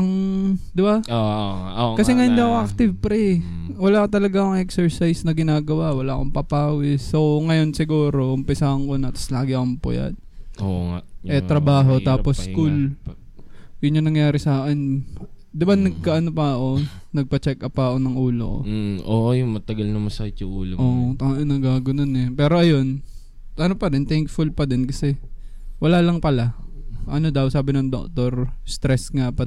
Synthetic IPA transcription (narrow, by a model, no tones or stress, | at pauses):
ʔɐŋd̪ɪbaoaʔkɐsɛŋɐjʊnd̪iɐkoʔak̚t̪ɪvpɾɛ | wɐlaːkot̪ɐlɐɡaoŋʔɛksɛɹsajsnɐɡɪnaːɡɐwawɐlaːʔkoŋpaːpaːwɪsːoŋɐjo̞nsɪɡuːɾo̞ʔʊmpɪsahɐŋko̞nɐt̪ɐ̥slaːɡɪʔɐkompʊ̰ja̰t̪̚oŋa̰ʔɛt̪ɾɐbaːɦo̞t̪aːposkul | jʊnɲonɐŋjaːɾɪsaːkɛnd̪ɪbanɐɡ̚kaʔɐnopɐɐʔo̞nɐɡ̚pɐt͡ʃɛkːɐpɐːko̞nɐŋʔuːlo̰ko̰oːʔjʊŋmɐt̪ɐɡɐlnɐmɐsaɪt̪jʊʔṵːloʔoːʔt̪ɐʔnɐɡaːɡʊnonɛpɛːɾo̞ʔɐjo̞n | ʔɐnopɐdɛnt̪ɛŋkfʊlpɐd̪ɛnkɐsɛ | wɐlaːlɐŋpɐlaʔɐnod̪ɐwsaːbɪnɐŋd̪o̰k̚t̪o̞ɾst̪ɾɛsŋapɐ